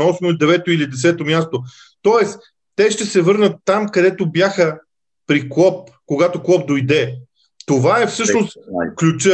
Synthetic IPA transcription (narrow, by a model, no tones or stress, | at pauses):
ɔsmoid̪ɛvɛt̪oilid̪ɛsɛt̪omʲjast̪o | t̪ɔɛs | t̪ɛʃt̪ɛsɛvɤɾnət̪ːamkɐd̪ɛt̪objaxə | pɾiklˠɔp̚ | koɡat̪oklˠɔp̚d̪ojd̪ɛ | t̪ovaɛfsɤʃnost̪klʲut͡ʃə